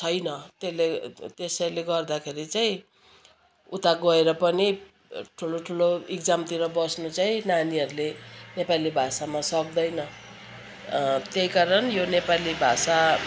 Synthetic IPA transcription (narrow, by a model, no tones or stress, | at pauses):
t͡sʰʌjnʌt̪elet̪esʌɾuleɡʌrd̪akʰeɾit͡saĩ | ut̪aɡʌeɾʌpʌni | ʈʰuloʈʰuloekd͡zamt̪iɾʌbʌsnut͡saĩnaniʌɾulenepalibʱasamasʌk̚d̪ʌjnʌ | t̪eɦikaɾʌnjonepalibʱasa